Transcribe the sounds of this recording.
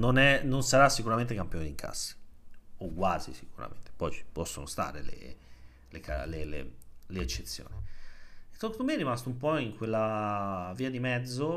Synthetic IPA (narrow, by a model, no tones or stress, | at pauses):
nonɛnonsaɾasːikuɾament̪ekampjoːniŋkʰa̰sːḁoɡwaːzḭsikuɾa̰mḛnt̪e̥pɔjt͡ʃpɔsːonost̪a̰ːɾelḛ | leka̰lelḛleet͡ʃːet̪sːjo̰ːni | t̪okt̪omerːimast̪oumpɔiŋkwelːa | viːad̪imɛd̪zːo